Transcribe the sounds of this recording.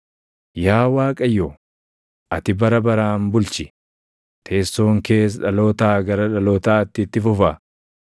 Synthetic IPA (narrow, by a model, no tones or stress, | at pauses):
jaːwaːkʼɐjːoː | ʔɐt̪ɪbɐɾɐbɐɾaːmbʊlt͡ʃɪ | t̪ʰe̞ːsːo̞ːŋke̞ːs̬ᶑɐlo̞ːt̪aːɡɐɾɐᶑɐloːt̪aːt̪ːɪt̪ːɪfʊfɐ